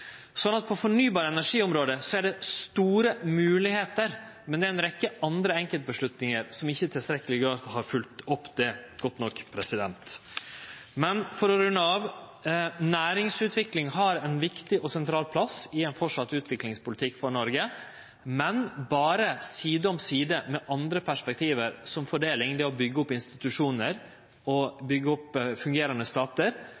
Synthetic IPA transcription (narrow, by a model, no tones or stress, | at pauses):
sɔnɑt̪̚pʰɔfɔɳyːbɑːɾəɛnæʂiːɔmɾoːd̪əsɔæɖɛst̪uːɾəmʉːlɪheːt̪əɾ | mɛnd̪ɛæɾɛnɾɛkːəɑnd̪ɾəɛŋkəlt̪̚bəʂɭʉt̪nɪŋəɾsɔmɪçːət̪ʰɪlst̪ɾɛkːəlɪɡɑːɾt̪hɑɾfʉlt̪ɔpːd̪ɛɡ̥ɔt̪ːnɔkːpʰɾɛsɪd̪ɛ̰nt̪ | mɛnfɔɾɔɾʉnːəɑʋ | næːɾɪŋsʉːt̪ʋɪklɪŋɦɑɾɛnʋɪkt̪ɪʔɔsɛnt̪ʰɾɑːlpʰlɑsɪɛnfɔʂɑt̪ːʉːt̪ʰʋɪklɪŋspʊlɪt̪ʰɪkːfɔɳɔɾɡə | mɛnbɑːɾəsiːd̪ɔmsiːd̪əmɛʔɑnd̪ɾəpʰæʂpɛk̚t̪ʰiːʋəɾsɔmfɔɖeːlɪŋd̪ɛɔbʏɡːəɔpɪnst̪ɪt̪ʉʂuːnəɾ | ɔbʏɡːəɔpːfʉŋɡeːɾɑnd̪əst̪ɑːt̪əɾ